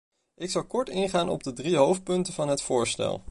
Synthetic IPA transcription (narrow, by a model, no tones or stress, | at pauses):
ʔɪksɑlˠkɔɹtɪŋχaːnɔ̰b̚dədriɦowft̚pɵntəvɑnɦətfʊːɹstɛ̰lˠ